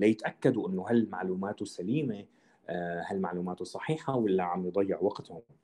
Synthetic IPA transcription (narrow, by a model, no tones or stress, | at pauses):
lajɪt̪ʔakːad̪uʔɪnːʊɦalmaʕluːmaːt̪usaliːme | halmaʕluːmaːt̪usˤɑħiːħawɪlːaʕamjɨd̪ˤɑjːɪʕwaqt̪hʊm